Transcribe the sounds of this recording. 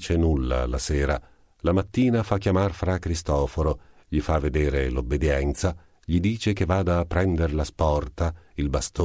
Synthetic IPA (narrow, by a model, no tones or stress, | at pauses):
t͡ʃenulːa̰laseːɾa | lamat̪ːiːnafakːjamarfɾakɾist̪ɔːfoɾo | ʎifavːed̪eːɾelobːed̪jɛnt̪sa | ʎid̪iːt͡ʃekevːaːd̪aːpːɾɛnd̪eɾlaspɔrt̪ailbast̪o